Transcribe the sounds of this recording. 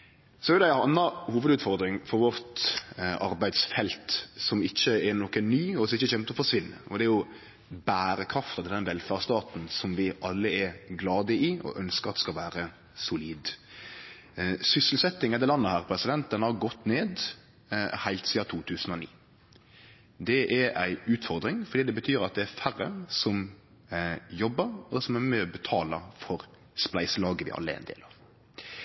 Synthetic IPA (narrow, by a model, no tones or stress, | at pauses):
sɔɛɾd̪ɛæɑnːɑhuːʋəd̪ʉːt̪fɔɾd̪ɾɪŋfɔɾʋɔɾt̪ʔɑɾbæɪd̪sfɛlt̪sɔmɪçːəɛnɔkənnyːɔsɔɪçːəçɛmt̪ɔfɔʂʋɪnːə̰ɔd̪ɛæɾjʊ | bæːɾəkʰɾɑft̪ɑt̪ɪld̪ɛnʋɛlfɑʁst̪ɑːt̪n̩sɔmʋɪʔɑlːəɛɾɡlɑːd̪əɪɔ̰ʔœnskəʁɑt̪ɛ̥skɑʋæːɾə | sʊliːd̪ | sʏsəlsɛt̪ːɪŋɛɑd̪ɛlɑnːəhæːɾpʰɾɛsɪd̪ɛnt̪̚d̪ɛnhɑɾɡɔt̪ːneːd̪ | hæɪlt̪siːɑt̪ʰuːt̪ʰʉːsənɔnḭː | d̪ɛʔæɾæɪʉːt̪fɔɾd̪ɾɪŋfɔɾd̪iːd̪ɛbət̪ʰyːɾɑt̪̚d̪ɛæɾfærəsɔm | jɔbːəɾɔsɔmæɾmɛbət̪ʰɑːləfɔɾ | splæɪsəlɑːɡəʋɪ̰ʔɑ̰lːəɛ̰æ̰ɪ̰nd̪ḛːlɑːʋ